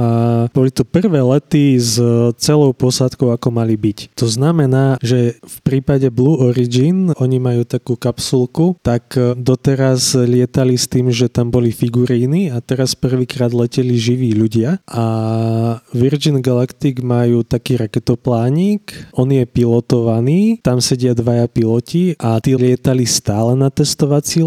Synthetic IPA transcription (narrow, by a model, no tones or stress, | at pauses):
ab̥ɔlit̪upr̩ʋɛːlɛt̪izt͡sɛlɔʊpɔsat̪kɔʊakɔmalibict̪ɔznamɛnaːʒɛfpɾiːpaɟɛbluːʔɔɾid͡ʒinʔɔɲimajuːt̪akuːkapsulˠkut̪akd̪ɔt̪ɛɾazʎɪɛt̪alist̪iːmʒɛt̪ambɔlifiɡuɾiːniat̪ɛɾaspr̩ʋiːkɾaːd̪lɛcɛliʒiʋiːʎuɟɪaʔa | ʋiɾd͡ʒinɡalakt̪iɡmajuːt̪akiːɾakɛt̪ɔplaːɲiːkʔɔnjɛpilɔt̪ɔʋaniːt̪amsɛɟɪad̪ʋajapilɔciʔat̪iːlɪɛt̪alist̪aːlɛnat̪ɛst̪ɔʋat͡si